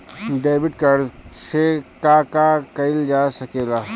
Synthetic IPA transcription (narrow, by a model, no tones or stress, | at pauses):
ɖeːbɪʈkaːɾsekakakɐɪld͡ʒaːsɐkeːlaː